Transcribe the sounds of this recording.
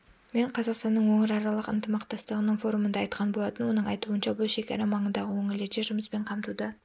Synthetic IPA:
me̞ɴqʰɑzɑqst̪ɑnːəɴwɵŋɪɾɑɾɑlˠəqɪnt̪əmɑqt̪ɑst̪əʁənəɴfo̞ɾumənd̪ɑɑjt̪̚qɑnbolˠɑt̪ənwo̞nəɴɑjt̪uənʃɑbʊlˠʃe̞kʲɑɾɑmɑɴənd̪ɑʁəwɵŋɪleɾʃeʒʊməspe̞ɴqʰɑmt̪ud̪ə

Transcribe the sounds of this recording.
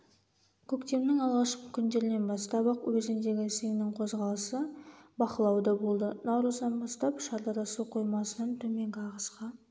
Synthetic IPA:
kʲʰɵkt̪e̞mnɪŋɑlˠʁɑʃqəkʲʰʏnd̪e̞ɾɪne̞nbɑst̪ɑbɑqwɵzɪnd̪e̞ɡʲɪsejnɪɴqʰo̞zʁɑlˠəsəbɑqəlˠɑwd̪ɑbolˠd̪ənɑwɾəzd̪ɑnbɑst̪ɑpʃɑɾd̪ɑɾɑsuqʰo̞jmɑsənɑnt̪ʰɵme̞ŋɡʲɑʁəsqɑ

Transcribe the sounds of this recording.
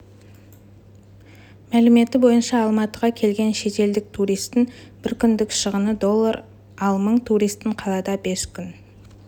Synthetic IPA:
mælɪme̞t̪ɪbo̞jənʃɑːlˠmɑt̪əʁɑkʲʰe̞lɡʲe̞nʃe̞t̪e̞ld̪ɪk̚t̪ʰuɾijst̪ɪŋb̥ɪɾkʲʰʏnd̪ɪkʃəʁənəd̪o̞lˠːaɾ | ɑlˠməɴt̪ʰuɾijst̪ːɪɴqʰɑlˠɑd̪ɑbe̞skʲʰʏn

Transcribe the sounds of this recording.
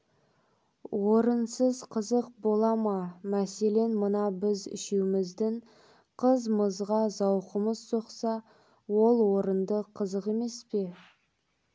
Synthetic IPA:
wo̞ɾənsəzqʰəzəq̚bo̞lˠɑmɑmæse̞le̞nmənɑbɪzɪ̰ʃewmɪzd̪ɪŋ | qʰəzməzʁɑzɑwqəməzso̞qsɑ | wo̞lˠwo̞ɾənd̪əqʰəzəqe̞me̞spe̞

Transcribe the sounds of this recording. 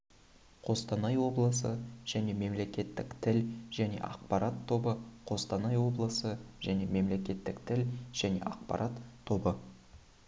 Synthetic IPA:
qʰo̞st̪ɑnɑjwo̞blˠəsəʒ̥æne̞me̞mle̞kʲe̞t̪ːɪkt̪ʰɪlʒ̥æne̞̰ʔɑ̰qpɑɾat̪ʰːo̞bəqʰo̞st̪ɑnɑjwo̞blˠəsəʒæne̞me̞mle̞kʲe̞t̪ːɪkt̪ʰɪlʒ̥æne̞̰ʔɑq̚pɑ̰ɾʔat̪ʰːo̞bə

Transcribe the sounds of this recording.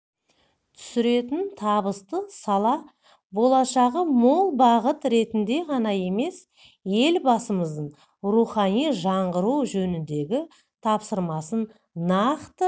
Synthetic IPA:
t̪ʰʏ̥sɪɾe̞t̪ɪnt̪ʰɑbəst̪əsɑlˠɑ | bo̞lˠɑʃɑʁəmo̞lˠbɑʁət̪ɾe̞t̪ɪnd̪e̞ʁɑnɑje̞me̞s | je̞lbɑsəməzd̪əɴ | ɾuχɑnijʒɑɴʁəɾuwʒɵnɪnd̪e̞ɡʲɪ | t̪ʰɑpsəɾmɑsənː | ɑqt̪ə

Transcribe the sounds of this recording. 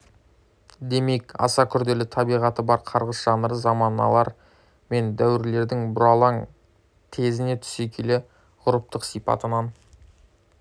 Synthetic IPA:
d̪e̞me̞kɑ̰sɑkʲʰʏɾd̪e̞lɪt̪ʰɑbijʁɑt̪əbɑɾqʰɑɾʁəsʒ̥ɑnəɾəzɑmɑnɑ̰lˠɑɾ | me̞nd̪æwɪɾle̞ɾd̪ɪŋbʊɾɑlˠɑŋ | t̪ʰe̞zɪne̞t̪ʰʏ̥se̞kʲʰe̞lɪ | ʁʊɾəp̚t̪əqsijpɑ̰t̪ənɑn

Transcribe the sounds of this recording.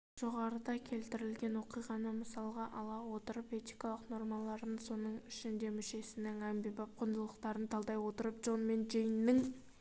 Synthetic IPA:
ʒ̥o̞ʁɑɾəd̪ɑkʲʰe̞lt̪ɪɾɪlɡʲe̞nwo̞qijʁɑnəməsɑlˠʁɑʔɑlˠɑwo̞t̪əɾəpe̞t̪ijkɑlˠəqno̞ɾmɑlˠɑɾd̪ənso̞nəɴɪʃɪnd̪e̞mʏʃe̞sɪnɪŋæmbijbɑp̚qʰʊnd̪əlˠəqt̪ɑɾənt̪ʰɑlˠd̪ɑjwo̞t̪əɾəp̚ʒo̞nme̞nʒejɪnːɪŋ

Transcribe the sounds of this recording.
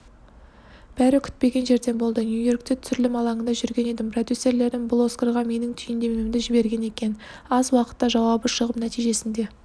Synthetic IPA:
b̥æɾɪkʲʰʏ̥t̪̚pe̞ɡʲe̞nʒe̞ɾd̪e̞nbo̞lˠd̪ənjujo̞rkt̪e̞t̪ʰsʏɾɪlɪmɑlˠɑɴənd̪ɑʒʏɾɡʲe̞ne̞d̪ɪmpʰrod̪ʲjuse̞ɾle̞ɾd̪ɪnblˠoskəɾʁɑme̞nɪŋt̪ʰʏjnd̪e̞memd̪ɪʒɪbe̞ɾɡʲe̞ne̞kʲe̞n | ɑzwɑqə̥t̪ːɑʒɑwɑbəʃəʁəpnæt̪ijʒe̞sɪnd̪e̞

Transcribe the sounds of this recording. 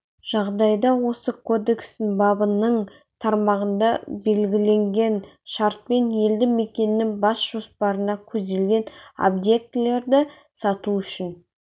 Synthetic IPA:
ʒ̥ɑʁd̪ɑjd̪ɑwo̞səkʰo̞d̪e̞kst̪ɪŋbɑbənəɴ | t̪ʰɑɾmɑʁənd̪ɑbe̞lɡʲɪle̞ŋɡʲe̞nʃɑɾt̪̚pe̞nje̞ld̪ɪme̞kʲe̞nɪːɪŋbɑsʒ̥o̞spɑɾənɑkʲʰɵzd̪e̞lɡʲe̞no̰b̪je̞k̚t̪ɪle̞ɾd̪ɪ | sɑt̪uʏʃɪn

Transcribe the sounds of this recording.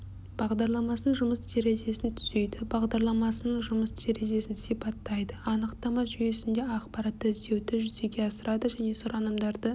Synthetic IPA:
b̥ɑʁd̪ɑɾlˠɑmɑsənəŋʒʊməst̪ʰeɾe̞ze̞sɪnt̪ʰʏze̞jd̪ɪbɑʁd̪ɑɾlˠɑmɑsənəɴʒʊməst̪ʰeɾe̞ze̞sɪnsijpɑt̪ːɑjd̪əɑnəqt̪ɑmɑʒʏjesɪnd̪e̞ɑqpɑɾɑt̪ːəɪzd̪e̞wd̪ɪʒʏze̞ɡʲe̞ɑsəɾʔɑd̪əʒæne̞soɾɑnəmd̪ɑɾd̪ə

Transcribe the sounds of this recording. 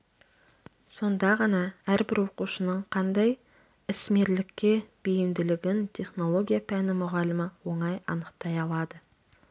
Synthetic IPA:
so̞nd̪ɑʁɑnɑæɾbɪɾwo̞quʃənəɴqʰɑnd̪ɑj | ɪsme̞ɾlɪkʲːe̞b̥ejɪmd̪ɪlɪɡʲɪnt̪ʲʰe̞χno̞lˠo̞ɡʲijapʰænɪmʊʁɑlɪmɪwo̞ɴɑjɑ̰nəqt̪ɑjɑlˠɑd̪ə

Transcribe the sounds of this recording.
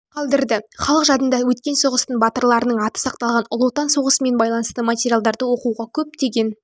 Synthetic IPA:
qʰɑlˠd̪əɾd̪ɪχɑlˠəqʒɑd̪ənd̪ɑwɵt̪kʲe̞nso̞ʁəst̪əɴbɑt̪əɾlˠɑɾənəɴɑt̪ə̥sɑq̚t̪ɑlˠʁɑnʊlˠot̪ɑnso̞ʁəsəme̞nbɑjlˠɑnəst̪əmatʲeɾʲijalˠd̪ɑɾd̪əwo̞quʁɑkʲʰɵp̚t̪e̞ɡʲe̞n

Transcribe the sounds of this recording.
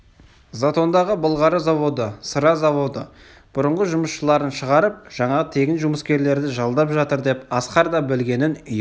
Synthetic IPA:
zat̪o̞nd̪ɑʁəbʊlˠʁɑɾəzɑvo̞d̪əsəɾɑzɑvo̞d̪ə | b̥ʊɾəɴʁəʒʊməsʃəlˠɑɾənʃəʁɑɾəp̚ʒ̥ɑɴɑt̪ʰe̞ɡʲɪnʒʊməskʲe̞ɾle̞ɾd̪ɪʒɑlˠd̪ɑpʒɑt̪əɾd̪e̞pɑsqɑɾd̪ɑbɪlɡʲe̞nɪnʏj

